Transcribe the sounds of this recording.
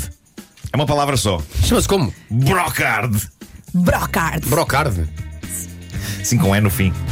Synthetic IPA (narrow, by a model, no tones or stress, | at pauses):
ɛumɐpɐlˠavɾɐsɔʃɐmɐskomubɾɔkaɾðbɾɔkaɾðbɾɔkaɾð | ɐsĩkõm̃ɛnufĩ